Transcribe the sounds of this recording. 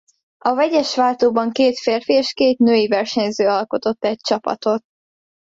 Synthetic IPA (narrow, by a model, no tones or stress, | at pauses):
ɒvɛɟɛʃʋaːt̪oːbɒŋkeːt̪feːrfieʃkeːt̪nøːjivɛrʃɛɲzøːɒlko̞t̪o̞t̪ːɛc̚t͡ʃɒpɒ̰t̪o̞t̪̚